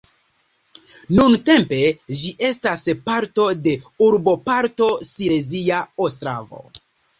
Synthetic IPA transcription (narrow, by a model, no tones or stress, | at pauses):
nunte̞mpe̞d͡ʒiʔe̞staspaɾto̞de̞uɾbo̞paɾto̞siɾe̞ziaostɾa̰vo̞̰